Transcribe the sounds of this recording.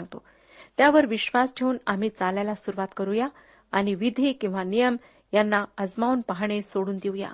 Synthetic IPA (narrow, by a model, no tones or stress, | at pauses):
aŋɡt̪o̰ | t̪jaʋəɾʋiɕʋasʈʰeuːnam̤iːt͡salajlasuɾuʋat̪kəɾuja | añiʋid̪ʱiːkĩw̃ʋanijəm | janːaəd͡zmaunpaɦɳ̃esoɽuːnd̪iuja̰